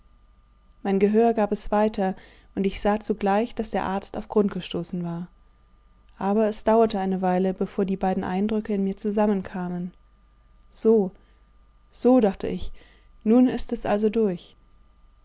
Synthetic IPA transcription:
maɪnɡəɦøːɐɡaːpɛsv̥aɪtʰɐ | ʔʊntɪçz̥aːt͡suɡlaɪçd̥asd̥eːɐʔaɐt͡staʊfɡ̥ʁʊntɡ̥əʃtoːsn̩vaːɐ | ʔaːbɐɛsd̥aʊɐtəʔaɪnəvaɪləbəfoːɐdiːbaɪdn̩ʔa̰ɪndʁʏkəɪnmiːɐt͡suzamənkʰaːmən | z̥oː | z̥oːdaχtʰə̰ʔɪç | nuːnɪstɛsʔa̰lzodʊɐç

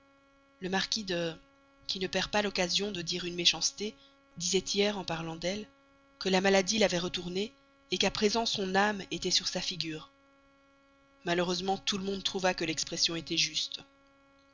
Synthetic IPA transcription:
ləmaʁkʲid̪øʁ | kʲinəpɛʁpalɔkazjɔ̃d̪əd̪iʁynmeʃɑ̃st̪e | d̪izɛt̪ʰijɛʁɑ̃paʁlɑ̃d̪ɛl | kəlamalad̪ilavɛʁət̪uʁneː | kapχezɑ̃sɔ̃namet̪ɛsyʁsafiɡʲyːʁ | maləʁøzmɑ̃t̪uləmɔ̃d̪̚t̪χuvakəlɛkspχɛsjɔ̃et̪ɛʒyst̪

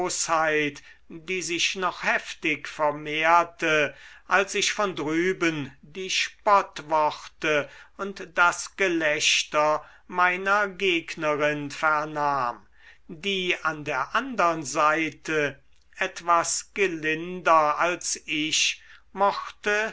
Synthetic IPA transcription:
shaɪt | d̥iːzɪʃnɔχhɛftɪkfɛɐmeːɐtəʔalsɪʃfɔndʁyːbəndiːʃpɔtvɔχtəʊntd̥asɡ̥əlɛʃtɐ | maɪnɐɡeːɡnəʁɪnfɛɐnaːm | diːandeːɐʔandəʁənzaɪtʰə | ʔɛtv̥asɡ̥əlɪndɐalsɪʃmɔxtə

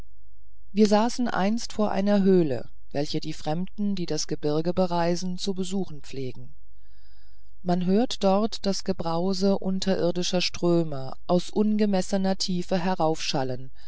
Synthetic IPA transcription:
viːɐzaːsn̩ʔa̰ɪnstfoːɐʔa̰ɪnɐɦøːlə̰ | vɛlçədiːfʁ̥ɛmdn̩diːdasɡ̥əbɪɐɡəbəʁaɪzn̩t͡subəzuːxn̩p͡fleːɡŋ̩ | manɦøːɐtd̥ɔɐtd̥asɡ̥əbʁaʊzəʔʊntʰɐʔɪɐdɪʃɐʃtʁ̥øːmɐ | ʔaʊsʔʊnɡəmɛsənɐtʰiːfəɦɛʁaʊfʃalən

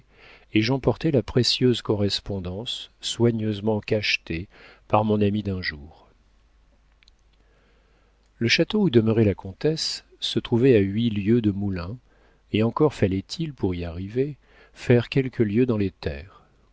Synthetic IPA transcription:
eʒɑ̃pɔʁt̪ɛlapχesjøzkɔʁɛspɔ̃d̪ɑ̃sːwaɲøzmɑ̃kaʃt̪epaʁmɔ̃namid̪ɛ̃ʒuːʁ | ləʃat̪oud̪əməʁɛlakɔ̃t̪ɛsː | ət̪χuvɛaɥiljød̪əmulɛ̃ | eɑ̃kɔʁfalɛt̪ʰilpuʁiaʁive | fɛʁkʲɛlkʰəljød̪ɑ̃let̪ɛːʁ

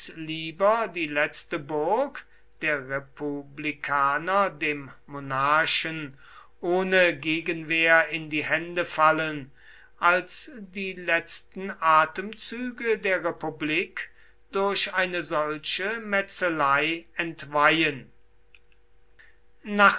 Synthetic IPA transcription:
sliːbɐdiːlɛt͡stəbʊɐk | d̥eːɐʁepublikʰaːnɐdeːmːonaɐʃən | ʔoːnəɡeːɡənveːɐɪndiːhɛndəfalən | ʔalsdiːlɛt͡stn̩ʔaːtəmt͡syːɡədeːɐʁepubliːk | d̥ʊɐɕaɪnəzɔlʃəmɛt͡səlaɪɛntvajən | naːχ

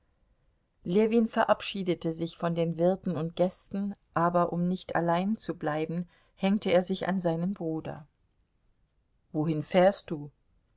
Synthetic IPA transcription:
leːviːnfɛɐʔapʃiːdətəzɪçfɔndeːnvɪɐtn̩ʊnt̚ɡ̥ɛstn̩ʔaːbɐʔʊmnɪçtʰa̰laɪnt͡sublaɪbm̩ | hɛŋtəeːɐzɪça̰nzaɪnənbʁuːdɐ̰ | voːhɪnfɛːɐst̚d̥uː

